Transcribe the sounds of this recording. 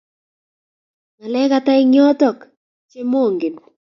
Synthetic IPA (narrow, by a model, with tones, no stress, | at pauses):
ŋa˨lɛ˦ka˦ta˦ɪ˦ɲɔ˦tɔ˨k | t͡ʃe˦mo˦˨ŋɡe˨nu˨